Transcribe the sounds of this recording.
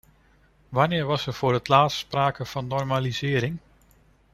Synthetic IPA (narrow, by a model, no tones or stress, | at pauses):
ʋɑnɪːɹʋɑsərfʊːɾətʰlaːtsspraːkəfɑnːɔrmalizɪːɾɪŋ